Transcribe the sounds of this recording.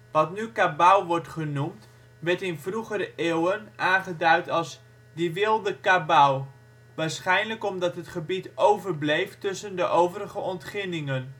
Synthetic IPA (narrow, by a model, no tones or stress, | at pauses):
ʋɑtnykabawʋɔɹtχənumt | ʋɛɹtɪnvruχəɾəʔeːwənʔaːnχədœɥtɑlˠz | dəʋɪlˠdəkabaw | ʋaːɹsχɛjnləkɔmdɑtɦətχəbitʔowvəɹblejftɵsəndəʔowvərəχəʔɔntχɪnɪŋən